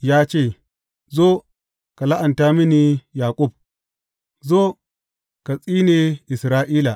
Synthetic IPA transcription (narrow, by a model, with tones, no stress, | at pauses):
jaː˦t͡ʃeː˦˨ | zoː˦ | ka˨la˦ʔa˨nta˦mi˦ni˦jaː˨kʷʼʊ˦˨b̚ | zo˦ | ka˨t͡sʼiː˦ne˨ʔɪ˨sɾaː˦ʔiː˦la˨